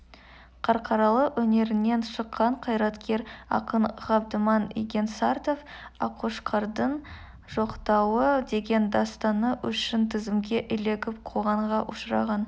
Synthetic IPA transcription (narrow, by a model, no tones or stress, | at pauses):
qʰɑɾqʰɑɾɑlˠəqwɵne̞ɾɪnːe̞nʃəqːɑɴqʰɑjɾɑt̪kʲe̞ɾɑ̰qənʁɑb̚d̪əmɑnḭɡʲe̞nsɑɾt̪o̞f | ɑqʰuʃqʰɑɾd̪əɴ | ʒ̥o̞qt̪ɑwəd̪e̞ɡʲe̞nd̪ɑst̪ɑnəʔʏ̰ʃɪnt̪ʰɪzɪmɡʲe̞ʔɪle̞ɡʲɪp̚qʰoʁɑɴʁɑʔʊʃɾɑ̰ʁɑn